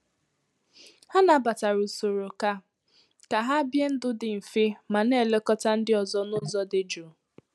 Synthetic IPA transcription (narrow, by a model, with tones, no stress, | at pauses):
ha˦na˨ba˨ta˨ɾu˨so˨ɾo˨ka˦ | ka˨ɦa˦bje˦n̩˦dʊ˦dɪ˨m̩˨fɪ˦ma˨ne˦˨le˦kɔ˦ta˦n̩˦dɪ˦ɔ˨zɔ˦nʊ˦zɔ˦dɪ˨d͡ʒu˨